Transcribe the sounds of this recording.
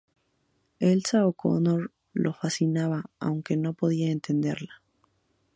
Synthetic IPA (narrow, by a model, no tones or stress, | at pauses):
elsaoko̰noɾ | lʔo̞fasinaβaa̰wŋkeno̞po̞ðiae̞nt̪e̞nd̪e̞̰ɾlḁ